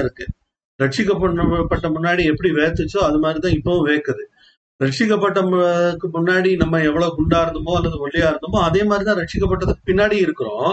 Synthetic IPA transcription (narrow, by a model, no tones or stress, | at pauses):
ɪɾɯkːɯ | ɾɛʈt͡ʃɪkːɐpːɐɐpːɐʈːɐmʊnːaːɽiɛpːɐɽiʋeːt̪ːɯt͡ʃːoɐðɯmaːd̪ɾit̪ãːɪpːɐʋʊ̃ʋeːkːɐðɯ | ɾɛʈ̚t͡ʃɪkːɐpːɐʈːɐɯkːɯmʊnːaːɽinɐmːɐɛʋːɐɭoːkʊɳɖaːɾɯnd̪ɯmõːɐlːɐðɯʋɔlːɪjaːɪɾɯnd̪ɯmõːɐðeːmaːd̪ɾit̪ãːɾɛʈt͡ʃɪkːɐpːɐʈːɐðɯkːɯ̥pɪnːaːɽiɪɾɯkːɯɾõ̰ː